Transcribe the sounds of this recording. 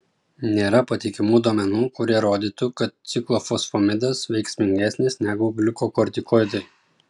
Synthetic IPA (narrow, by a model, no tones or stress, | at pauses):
nʲeːɾɐpɐt̪ʲɪkʲɪmuːd̪uɔmʲɛnuːkʊɾʲiɛɾoːd̪ʲiːt̪ʊkɐt̪̚t̪sʲɪklˠoːfɔsfɔmʲɪd̪ɐsʋʲɛɪksʲmʲɪŋʲɡʲæsʲnʲɪsnʲæɡʊbʲlʲʊkokɔɾʲt̪ʲɪkɔɪd̪ɐɪ